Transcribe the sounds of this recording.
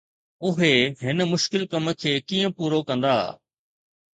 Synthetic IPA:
ʊɦeɦɪnə̆mʊʃkɪlkɐmə̆kʰeːkiːə̃puːɾokɐ̃nd̪aː

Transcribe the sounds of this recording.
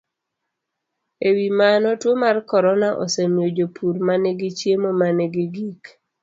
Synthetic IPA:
ewimanɔtwomarkɔɾɔnaʔɔ̰semjod͡ʒopʰuɾmanɛɡɪt͡ʃjemomanɛɡɪɡik

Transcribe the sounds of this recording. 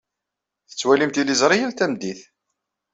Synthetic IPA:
θə̥t͡sːwælimt̪ilizˤɾˤijəlt̪æmd̪iθ

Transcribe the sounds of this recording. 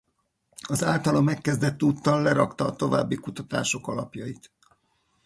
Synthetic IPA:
ɒzaːlt̪ɒlomɛkːɛzd̪ɛt̪ːuːt̪ːɒlːɛɾɒkt̪ɒːt̪o̞va̰ːbːikut̪ɒt̪a̰ːʃo̞kɒlɒpjɒit̪

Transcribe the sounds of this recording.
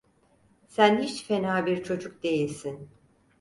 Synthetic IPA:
sænhit͡ʃfenaːbiɾt͡ʃʰo̞d͡ʒuk̚d̪e̞jilʲsin

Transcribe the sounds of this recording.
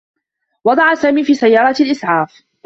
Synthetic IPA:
wɑd̪ˤɑʕasaːmiːfiːsajːɑːɾˤɑt̪alʔɪsˤʕɑːf

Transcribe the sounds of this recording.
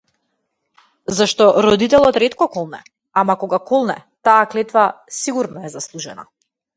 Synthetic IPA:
zaʃt̪ɔɾɔd̪it̪ɛlˠɔt̪ɾɛt̪kɔkɔlˠnɛ̰ | amakɔɡakɔlˠnɛ̰t̪aːklɛt̪vasiɡuɾnɔɛzaslˠuʒɛna̰

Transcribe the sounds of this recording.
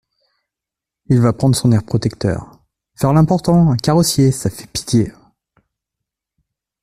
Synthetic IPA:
ilvapχɑ̃d̪ʁəsɔ̃nɛʁpχɔt̪ɛkt̪œ̰ːʁ | fɛʁlɛ̃pɔʁt̪ɑ̃akaʁɔsjesafɛ̥pi̥t̪je

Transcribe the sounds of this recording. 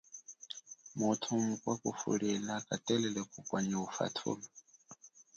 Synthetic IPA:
mutʰumukʼwakʼufṵɺɛlakʼatʼɛlɛlɛkʰukʼwaɲiufa̰tʰṵːlɔ

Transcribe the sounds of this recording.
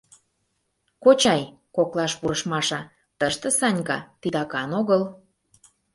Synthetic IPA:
kot͡ɕɑj | koklɑʃpuɾəʃmɑʃɑ | t̪əʃt̪ə̆sɑnʲkɑt̪it̪ɑkɑnoɣəl

